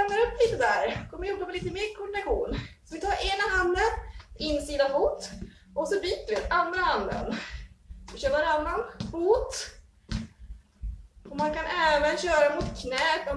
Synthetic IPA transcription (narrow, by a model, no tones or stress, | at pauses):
ɛmnaɾɵpːliːt̪əd̪æːɾkʰɔmːəɾɔkapɔliːt̪əmeːɾkʰɔɖɪnaɧuːnsɔvɪt̪ʰɑːɾeːnaɦand̪ənɪnːsiːd̪afuːt̪ | ʔɔsɔbyːt̪əvɪt̪and̪ɾahand̪ə̰n | sɔɕœːɾvaɾanːanfuːt̪ | ɔmankanɛːvənɕœːɾamʊt̪kʰnɛːt̪ɔ